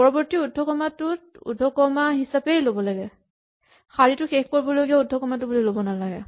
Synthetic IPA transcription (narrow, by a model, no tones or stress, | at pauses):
pɔɹɔbɔɹtiudʱːɔkɔmatʊtṵdʱɔkɔmaɦisapejlobɔlaɡɛ | xaɹitʊxekʰkoɹibɔlojɡiaudʱɔkɔmatʊbulilobɔnalaɡɛ̰